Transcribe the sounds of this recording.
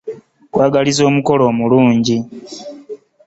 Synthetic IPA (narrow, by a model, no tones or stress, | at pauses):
kwaːɡalizo̞ːmuko̞lo̞ːmuluːɲɟi